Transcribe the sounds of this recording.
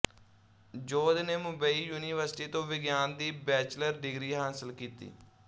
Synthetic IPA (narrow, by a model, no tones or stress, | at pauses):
d͡ʒoːd̪neːmʊbəiːjuːniːʋəɾsʈiːt̪õːʋɪɡjaːnd̪iːbɛːt͡ʃləɾɖɪɡɾiːɦaːsɪlkiːt̪ḭː